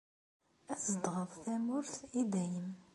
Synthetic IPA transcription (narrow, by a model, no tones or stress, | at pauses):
æsəd̪ʁəðˤθæmʊɾθid̪æjəm